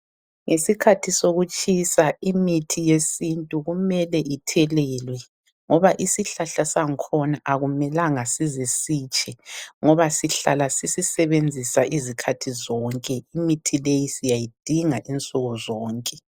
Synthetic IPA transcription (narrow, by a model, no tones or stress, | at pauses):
ŋʔesikʰatʰisoɣut͡ʃʼisaimitʰijesintʼuɣumɛlɛʔitʰɛlɛːlwɛ | ŋɔβaʔisiɬaɬasaŋikʰɔnaʔaɣumɛlaŋasizesiːt͡ʃʼɛŋɔβasiɬalasisisɛβend͡zʱisaʔizikʰatʰizɔːŋkʼɛimitʰilejisijajid̥ʱiŋaʔint͡sʼɔɣɔzɔːŋkʼɛ